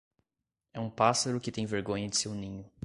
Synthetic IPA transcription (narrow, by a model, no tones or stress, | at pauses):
ɛũpasaɾʊkɪt̪ẽj̃veɾɡõɲɐd͡ʒɪsewnĩɲʊ